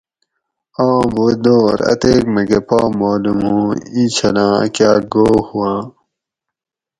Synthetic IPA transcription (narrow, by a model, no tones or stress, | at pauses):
ãːboːd̪oːɾɐ̰t̪eːkmeɡepaːmaːlumɦũːĩt͡ɕʰɐlã̰ːkjaːɡoːhuwãː